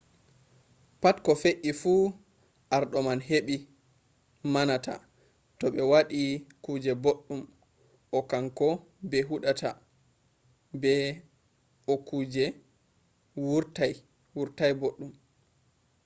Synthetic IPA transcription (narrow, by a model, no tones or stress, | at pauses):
patkɔfeʔːifu | ʔaɾɗɔmanɦeɓi | manatʰa̰ | tɔɓɛwaɗikud͡ʒɛboɗːum | ɔkaŋkɔ | bɛɦuɗata̰ | bɛ | ɔkud͡ʒɛ | wuɾtaj | wuɾtajboɗːum